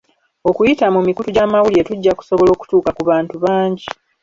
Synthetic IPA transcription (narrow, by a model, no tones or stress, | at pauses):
o̞kujitamumikutuɟamawulie̞tuɟːaku̥so̞βo̞lo̞ːku̥tuːkakuβaːntuβaːɲɟi